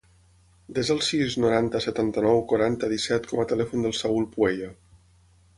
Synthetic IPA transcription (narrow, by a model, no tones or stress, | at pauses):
d̪ezðəlˠsiznuɾant̪əsət̪ant̪ənɔwkuɾant̪əðisɛt̪kʰɔmət̪əlɛfund̪əlˠsaulˠpuɛʎə